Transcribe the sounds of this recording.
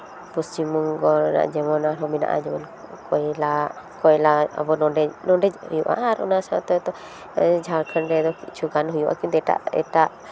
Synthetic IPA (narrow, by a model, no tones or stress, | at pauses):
pust͡ʃimuŋɡɔɾna̰ʔd͡ʒɛmɔnaɾɔmina̰ʔa̰d͡ʒɔman | kɔjlakɔjlaa̰bɔnɔɖɛnɔɖɛhujuʔa̰ʔaɾɔnasat̪ɔt̪ɔ | d͡ʒaɾkʰənɾɛd̪ɔkit͡ʃʰuɡanɦujuʔa̰kimd̪ɛʈa̰ʔɛ̰ʈaʔ